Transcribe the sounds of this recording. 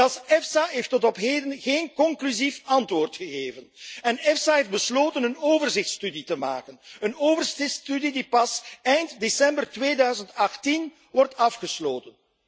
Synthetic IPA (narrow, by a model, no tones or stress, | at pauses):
ɑlsɛfsaɦeːftɔtɔpɦeːdənɣeːnkɔŋklyzifɑntʋoːrtxəɣeːvənɛnɛfsaɦeːfd̚bəsloːtənənoːvərzɪxtstyditəma̰ːkənənoːvərsɪstydidipɑsɛjntdesɛmbərtʋeːdœɥzəntɑxtin | ʋɔrtɑfxəsloːtən